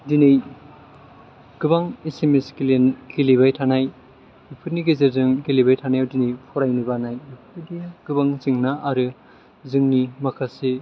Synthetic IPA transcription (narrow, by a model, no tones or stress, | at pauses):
dinej | ɡ̥ɯbaŋesemeskilenɡilibajtʰanaj | ipʰɯɾniɡezeɾzɯŋkelibajtʰanajawdinejpʰɔɾajnibanajipʰɯdiɡ̥ɯbaŋziŋnaʔaɾɯ | zɯŋnimakʰase